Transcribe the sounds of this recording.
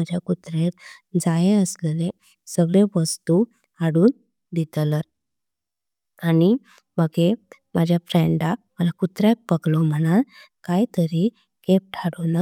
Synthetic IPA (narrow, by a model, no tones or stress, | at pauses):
əd͡ʑʱjakut̪ɾeɾd͡zajeəslele | səɡɭeʋəst̪u | aɽuːn | d̪it̪ləɾ | ani | məɡeməd͡ʑʱjafɾeɳɖaməlakut̪ɾapəɡlɔm̤əñat | kajt̪əɾi | kep̚ʈʰaɽona